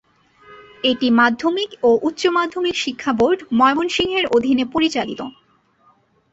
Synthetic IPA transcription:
eʈimad̪ʱːomikoʔut̪ːɕomad̪ʱːomikʃikʰːaboɾɖmɔebonʃiŋɦeɾod̪ʱinepoɾit͡ɕalit̪o

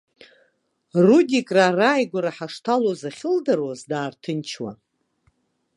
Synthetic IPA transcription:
rudʲikʼraːraːjɡʷaɾaħaʂtʰalozaχʲɪldarwazdaːrtʰɨnt͡ʃʰwa̰

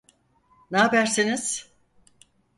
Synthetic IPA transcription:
naɦabæɾsiniz̥

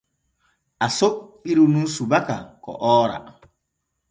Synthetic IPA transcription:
asoɓiɾununsubaka̰kɔ̰ʔɔːɾa̰

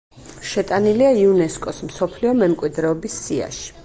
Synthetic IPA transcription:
ʃɛt̪ʼaniliaiunɛskʼɔsmsɔpʰliɔmɛmkʼwid̪ɾɛɔbisːia̰ʃi̥

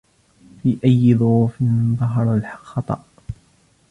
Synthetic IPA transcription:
fiːʔajːɪðˤʊuːfɪnðˤɑɦɑɾˤalħxɑt̪ˤɑ̰ʔ

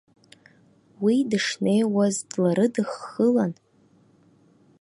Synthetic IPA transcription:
widɨʂne̞jwazdlaɾɨdɨχːəlan

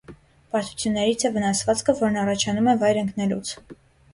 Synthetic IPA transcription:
pɑɾt̪u̥t͡sʰjunːɛɾit͡sʰɛvənɑsvɑt͡skʰəvɔɾnɑrɑt͡ʃʰɑnumɛvɑjɾəŋknɛlṵt͡sʰ

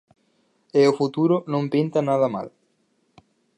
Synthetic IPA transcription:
eʊfut̪uɾʊnõmpint̪anaðɐma̰l

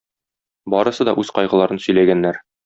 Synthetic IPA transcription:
bɒɾɤ̆sɤd̪ɒ̰ʔʉzqɒjʁɤ̆lˠɑɾɤnsɵ̆jlæɡænːæɾ

